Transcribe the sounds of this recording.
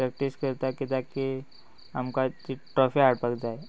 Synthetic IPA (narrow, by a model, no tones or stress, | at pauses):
ɾɛk̚ʈiskəɾt̪akit̪aki | əmkat͡ʃiʈɾɔfʰiaɽpəkd͡ʒaːe